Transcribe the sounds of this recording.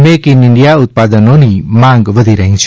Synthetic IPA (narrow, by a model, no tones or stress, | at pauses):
meːkiniɳɖijaːut̪̚paːd̪ənoːnimaŋɡʋəd̪ʱiɾəɦĩŋt͡ʃʰ